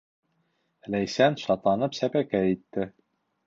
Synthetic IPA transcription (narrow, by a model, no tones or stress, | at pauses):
læjsænʃɑt̪lˠɑnɤpsæpækæit̪ːɘ